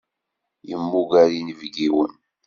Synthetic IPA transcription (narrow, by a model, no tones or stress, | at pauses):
jəmːuɡæɾinəvɡiwən